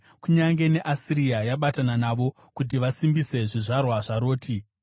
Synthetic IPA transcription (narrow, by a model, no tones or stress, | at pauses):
kuɲaŋɡe̞ne̞ʔasiɾiajaɓatananaʋo̞ | kut̬iʋasimbise̞ʐiʐarwaʐaɾo̞ːtʰi